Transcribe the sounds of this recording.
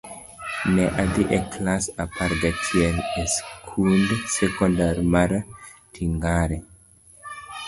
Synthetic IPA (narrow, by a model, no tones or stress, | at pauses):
nɛʔad̪iʔeklasapʰaɾɡatʰjɛneskʰundsekɔndaɾmaɾatʰiŋɡaɾe